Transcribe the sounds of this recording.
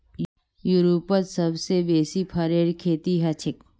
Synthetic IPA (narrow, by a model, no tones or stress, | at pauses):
juɾuːpət̪sɐbsebeːsipʰɐɾeːɾkʰeːt̪iɦɐt͡ʃʰɪk